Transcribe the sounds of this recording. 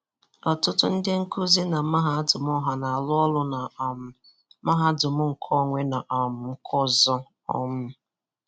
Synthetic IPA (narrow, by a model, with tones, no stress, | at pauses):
ɔ˨tʊ˦tʊ̰˦n̩˦dɪ˦ŋ̩˦ku˦zi˦na˨ma˦ɦa˨˦dʊ˨m˦ɔ˦ɦa˨na˨a˨lʊ˦ɔ˦lʊ˦na˨ | ma˦ɦa˦dʊ˨mʊ˦ŋ̩˨kʰɔ˦ŋʷe˦na˨ʔɔ˨m̩˦kʰɔ˦zɔ˦ | ɔ̰˦mʊ˦